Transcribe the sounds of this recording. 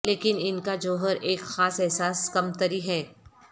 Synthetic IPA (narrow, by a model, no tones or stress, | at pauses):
leːkɪnɪnkad͡ʒoːɦəɾʔeːkxaːsɛɦsaːskɐmt̪əɾiɦɛː